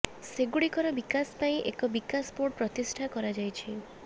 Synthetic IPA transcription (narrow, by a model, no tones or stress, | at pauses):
seɡuɽikɔɾɔbikaspaĩʔekɔbikaspoʈpɾɔt̪isʈʰakɔɾad͡ʒajt͡ʃʰi